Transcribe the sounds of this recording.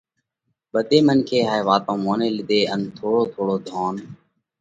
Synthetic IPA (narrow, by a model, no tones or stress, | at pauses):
ɓəd̪ʱeːmənkʰeːɦaːeːʋaːt̪õːmoːneːlɪd̪eːənt̪ʰoːɽoːt̪ʰoːɽoːd̪ʱoːn